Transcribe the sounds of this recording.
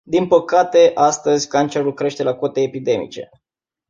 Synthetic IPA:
d̪inpəkat̪e̞ʔast̪əzʲkant͡ʃe̞ɾulkɾe̞ʃt̪e̞lako̞t̪e̞ːpid̪e̞mḭt͡ʃe̞̰

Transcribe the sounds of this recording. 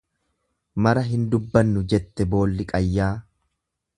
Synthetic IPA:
mɐɾɐɦɪnd̪ʊbːɐnːʊd͡ʒɛt̪ːɛbo̞ːlːɪkʼɐjːaː

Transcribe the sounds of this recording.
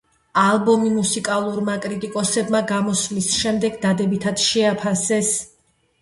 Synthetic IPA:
alˠbɔmimusikʼalˠuɾmakʼɾit̪ʼikʼɔsɛbmaɡamɔsmisʃɛmd̪ɛɡd̪ad̪ɛbit̪ʰat̪ʃɛapʰasɛs

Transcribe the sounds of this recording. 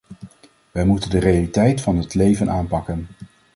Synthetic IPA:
ʋɛjmutəndərejalitɛjtfɑnɦətlejvənʔaːnpɑkən

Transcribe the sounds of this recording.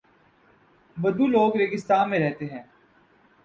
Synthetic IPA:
bɐd̪uloːɡɾeːɡɪst̪aːnmẽɾɛɦt̪eɦɛ̃ː

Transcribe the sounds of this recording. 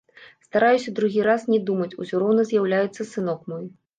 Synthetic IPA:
st̪aɾajusʲɐd̪ɾuɣʲiɾasnʲɛd̪umɐt͡sʲusʲuɾɔwnɐzʲjawlʲajɛt̪sːɐsɨnɔkmɔj

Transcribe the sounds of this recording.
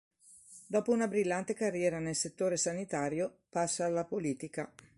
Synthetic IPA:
d̪ɔːpounabɾilːant̪ekarːjɛːɾanelset̪ːoːɾesanit̪aːɾjopasːaːlːapoliːt̪ika

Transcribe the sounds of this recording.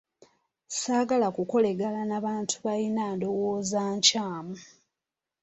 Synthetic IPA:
saːɡalakuko̞le̞ɡalanaβaːntʰuβalinaːndo̞woːzaːɲcaːmu

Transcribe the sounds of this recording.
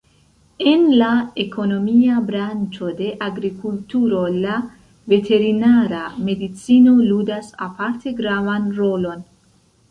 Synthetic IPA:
e̞nlaekʰo̞no̞miabɾant͡ʃo̞de̞ʔaɡɾikultuɾo̞la | ve̞tʰe̞ɾinaɾame̞dit͡sino̞ludasa̰paɾt̪ʰe̞ɡɾavanɾo̞lo̞n

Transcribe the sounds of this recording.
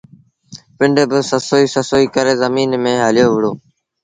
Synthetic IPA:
pɪɳɖebɪsəsoːiːsəsoːiːkəɾeːzəmiːnmẽːɦəlɪjoːʋɪɽoː

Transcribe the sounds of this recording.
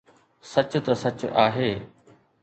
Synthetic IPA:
sɐt͡ɕʊt̪ɐsɐt͡ɕaːɦeː

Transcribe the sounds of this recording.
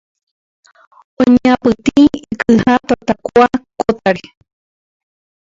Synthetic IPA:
õɲãpɨt̪iikɨhãt̪at̪akuakot̪aɾe

